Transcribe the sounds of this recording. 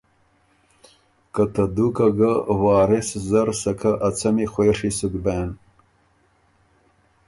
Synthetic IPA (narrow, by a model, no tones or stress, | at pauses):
kɐt̪ɐd̪ukɐɡawaːɾeszɐɾsɐkʰɐʔɐt͡sɐmixweːʂisuɡ̪beːn